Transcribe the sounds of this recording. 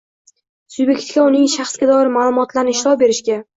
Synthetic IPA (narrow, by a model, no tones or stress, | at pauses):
sʊbje̞kʲt̪kʲaʊnɪŋʃaχsɡʲad̪ɒɪɾmaːlˠʊmɒt̪laɾnɪʃlɒwbe̞ɾɪʃɡʲa